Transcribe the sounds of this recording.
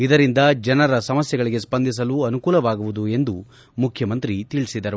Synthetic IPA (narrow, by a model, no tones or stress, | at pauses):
id̪ɐɾind̪ɐd͡ʒɐnɐɾɐsɐmɐsjɛɡɐɭiɡe̞spɐnd̪ʱis̬ɐluɐnukuːlɐʋaːɡuʋud̪ue̞nd̪u | mukʰjɐmɐnt̪ɾit̪iɭisid̪ɐɾu